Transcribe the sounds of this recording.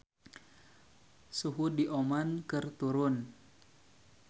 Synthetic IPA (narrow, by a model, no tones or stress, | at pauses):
suɦudiʔomankɨrt̪uɾʊn